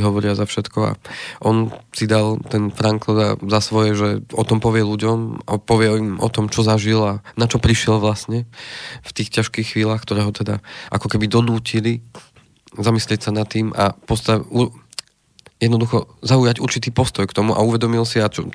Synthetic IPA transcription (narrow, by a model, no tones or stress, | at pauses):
ɦɔʋɔɾiazafʃɛt̪kɔa̰ʔɔnsid̪alt̪ɛnfɾaŋkɔzazasʋɔjɛʒɛɔt̪ɔmpɔʋɪɛluɟɔma̰pɔʋɪɛimɔ̰t̪ɔmt͡ʃɔzaʒilanat͡ʃɔpɾiʃɪɛlʋlasɲɛft̪iːxcaʃkiːxxʋiːlaːxkt̪ɔɾɛːɦɔt̪ɛd̪aʔa̰kɔkɛbid̪ɔnuːcili | zamislɪɛcsanat̪ːiːma̰pɔst̪au | jɛd̪nɔd̪uxɔzauːjaɟuɾt͡ʃit̪iːpɔst̪ɔjkt̪ɔmuʔa̰uʋɛd̪ɔmilsiat͡ʃɔ